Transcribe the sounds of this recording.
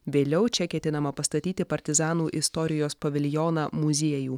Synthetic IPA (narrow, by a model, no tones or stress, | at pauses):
ʋʲeːlʲɛʊt͡ʃʲɛkʲɛt̪ʲɪnɐmɐpɐst̪ɐt̪ʲiːt̪ʲɪpɐɾʲt̪ʲɪzɑːnuːʔɪst̪ɔɾʲɪjoːspɐʋʲɪlʲjɔːnɑmʊzʲiɛjuː